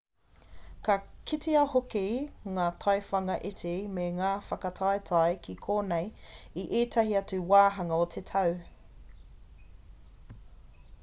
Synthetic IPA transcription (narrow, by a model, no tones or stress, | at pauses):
kɐkʰitʰiɐhokiŋaːtʰɐjfɐŋɐʔetʰemeŋaːfɐkɐtʰɐjtʰɐjkʰikʰoːnej | iʔeːtʰɐɦiɐt͡suwaːɦɐŋɐotʰetʰɐw